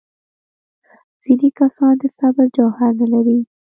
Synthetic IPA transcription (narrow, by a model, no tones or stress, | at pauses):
z̥inikasɑnd̪əsabɪɾd͡ʒawhaɾnalaɾi